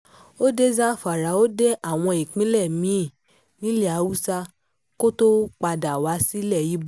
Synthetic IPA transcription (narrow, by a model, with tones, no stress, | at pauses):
o˦de˦zã˦˨fa˨ɾa˨˦o˦de˦ʔa˦˨w̃ɔ̃˧i˨k͡pĩ˦lɛ˦˨mĩ˨˦˨ | nĩ˨˦lɛ˦˨a˨˦wu˦sa˧ | ko˦to˦k͡pa˧da˨wa˨˦si˦lɛ˦˨ji˨˦b